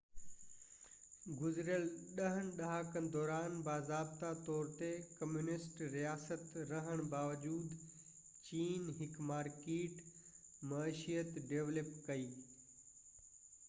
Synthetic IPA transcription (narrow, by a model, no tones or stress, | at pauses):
ɡʊzɪɾjəlɗɐɦənɪ̆ɗɐɦaːkənɪ̆d̪ɔːɾaːnbaːzaːb̚t̪at̪ɔːɾt̪ekɐmjuːnɪsʈɾijaːsət̪ɾɐɦəɽ̃baːʋəd͡ʑuːd̪ | t͡ɕiːnɦɪkmaːɾkeːʈmɐʃijət̪ɖeːʋləpkɐiː